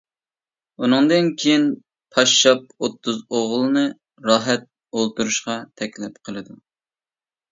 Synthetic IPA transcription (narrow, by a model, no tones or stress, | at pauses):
unɨŋd̪ɨnkʲʰejin | pʰɑʃːɑp̚ot̪ʰːuzoʁlˠɨnɨ | ɾɑːɦɛt̪̚ | olˠt̪uɾuʃqɑt̪ʰɛkʲlɪp̚qʰəlˠɨd̪u